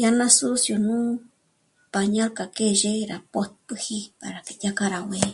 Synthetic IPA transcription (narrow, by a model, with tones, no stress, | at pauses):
ja˦nã˦su˦sjo˨nũ˦ | pa˨ɲã˦ɾka˨ke˦ʒe˦ɾa˨po˦t̪̚pɨ˧hi˦pa̰˨ɾa˨ki˧ja˦ka˦ɾa˨wẽ˧